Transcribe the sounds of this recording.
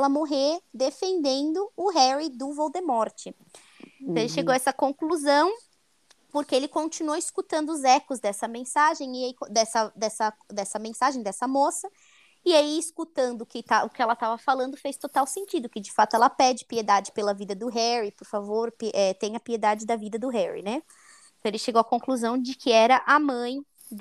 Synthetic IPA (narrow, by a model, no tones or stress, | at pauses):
lɐmoɦeɾd̪efẽnd̪ẽnd̪ʊʊɦɛɾid̪ʊvowd̪emɔɾt͡ʃɪ̃ | t̪ɐ̃elɪʃeɡowɐɛsɐkõkluzɐ̃w̃ | poɾkɪelɪkõnt͡ʃinuoiskut̪ɐ̃nd̪ʊːzɛkʊzd̪ɛsɐmẽsaʒẽj̃ɪaikõd̪ɛsɐd̪ɛsɐd̪ɛsɐmẽsaʒẽj̃d̪ɛsɐmosɐ | ɪaiːskut̪ɐ̃nd̪ʊʊkɪt̪aʊkɪɛlɐt̪avɐfalɐ̃nd̪ʊfejst̪ot̪awsẽnt͡ʃid̪ʊkɪd͡ʒɪfat̪ʊɛlɐpɛd͡ʒɪpied̪ad͡ʒɪpelɐvid̪ɐd̪ʊɦɛɾipoɾfavoɾpʔɛt̪ẽj̃ɐpied̪ad͡ʒɪd̪ɐvid̪ɐd̪ʊɦɛɹḭnɛ | ĩt̪ɐ̃w̃elɪʃeɡowɐkõkluzɐ̃w̃d͡ʒɪkʰɪɛɾɐʔamɐ̃j̪̃